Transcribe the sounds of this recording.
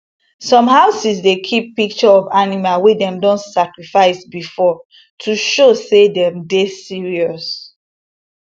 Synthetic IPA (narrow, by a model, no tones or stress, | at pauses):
sɔ̃mɦaʊsisdekʰipːik̚t͡ʃɔɔvanimalwedɛ̃mdɔ̃ntsakɹifaɪsbifɔ | tʰuʃosedɛ̃mdesiɹiɔs